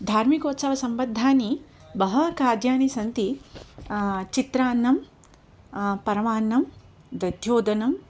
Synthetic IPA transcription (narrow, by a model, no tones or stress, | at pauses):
d̪ʱaːɾmikoːt̪sɐʋɐsɐmbɐd̪ʱːaːni | bɐɦɐkaːd̪jaːnisɐnt̪i | t͡ʃit̪ɾaːnːɐm | pɐɾɐmaːnːɐm | d̪ɐd̪ʱjoːd̪ɐnɐm